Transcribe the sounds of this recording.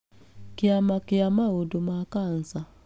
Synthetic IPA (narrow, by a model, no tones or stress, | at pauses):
kɪamakɪamaodomakan̩sa